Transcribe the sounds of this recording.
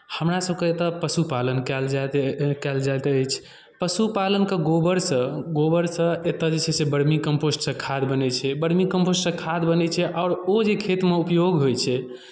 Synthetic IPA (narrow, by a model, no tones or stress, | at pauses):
həmɾasəbkeet̪əpəsupalənkɛld͡ʒat̪kɛld͡ʒajt̪əjt͡ʃʰ | pəsupalənkeɡobəɾsə̃ɡobəɾsə̃et̪əd͡ʒet͡ʃʰɛsebəɽmikəmposʈsə̃kʰad̪bənɛt͡ʃʰɛbəɽmikəmposʈsə̃kʰad̪bənɛt͡ʃʰɛʔɔɾod͡ʒekʰet̪meupjoɡɦojt͡ʃʰɛ